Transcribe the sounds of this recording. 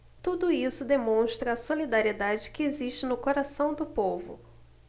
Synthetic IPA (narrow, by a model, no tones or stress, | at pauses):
t̪ud̪ʊisʊd̪emõʃt̪ɾɐːsolid̪aɾied̪ad͡ʒɪkɪeziʃt͡ʃɪnʊkoɾasɐ̃w̃d̪ʊpovʊ̰